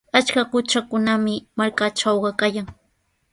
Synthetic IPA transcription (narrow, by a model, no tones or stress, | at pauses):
at͡ʃkakʊt͡ʃakʊnamɪmaɾkaʈ͡ʂawɢɑkajaŋ